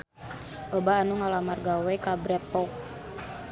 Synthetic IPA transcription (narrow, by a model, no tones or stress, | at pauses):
ʔobaːnuŋalamarɡawɛkabɾɛt̪ːɔk̚